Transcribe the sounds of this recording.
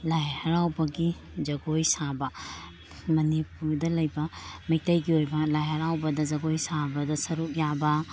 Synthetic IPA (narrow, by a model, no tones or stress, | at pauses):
lajhɐɾawbɐɡi | d͡ʒɐɡojsabɐ | mɐnipuɾdɐlɐjbɐmij̚tɐjɡiojbɐlajɦɐɾawbɐdɐd͡ʒɐɡojsabɐdɐsɐɾup̚jabɐ